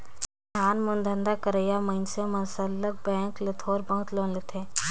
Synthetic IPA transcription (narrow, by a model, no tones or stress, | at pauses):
tʰaːnmʊnd̪ʱə̃nd̪akəɾəjamə̃ɪnsemə̃nsəlːək̚bɛ̃ːŋklet̪ʰoːɾbə̃ɦt̪lonlet̪ʰeː